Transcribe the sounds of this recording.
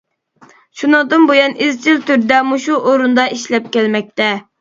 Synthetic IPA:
ʃunɨŋd̪ɨnbojɑnizt͡ʃʰilt̪yɾd̪ɛmuʃuʔoɾund̪ɑʔiʃlɛp̚kʲælmɛk̚ʲt̪ɛ

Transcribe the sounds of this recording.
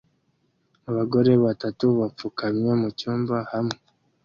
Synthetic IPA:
aβaɡo̞ɾe̞βatatuβap͡fukamɲemucuːmbahamŋe

